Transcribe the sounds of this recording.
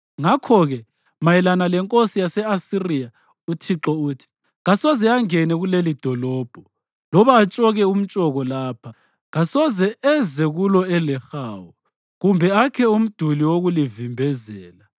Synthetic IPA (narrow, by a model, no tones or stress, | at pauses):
ŋakʰɔɣɛ | majɛlanalɛŋkʼosijasɛasirija | utʰiǁɔuːtʰi̥ | ɣasɔzɛaŋɛnɛɣulelid̥ʱɔlɔːb̥ʱɔ | lɔβaːt͡ʃʼɔɣɛum̩t͡ʃʼɔɣɔlaːpʰa | ɣasɔzɛʔɛzɛɣulɔɛlɛxaːwɔ | ɣumbʱɛakʰɛum̩d̥ʱuliwoɣulivimbʱɛzɛːla